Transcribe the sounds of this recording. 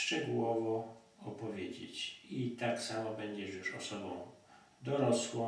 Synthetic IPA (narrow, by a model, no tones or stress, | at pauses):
ʂt͡ʂɛɡuwɔvɔ | ɔpɔvʲjed͡ʑḛt͡ɕit̪aksamɔbɛɲd͡ʑɛʂjuʂɔsɔbɔ̃w̃ | d̪ɔɾɔswɔ̃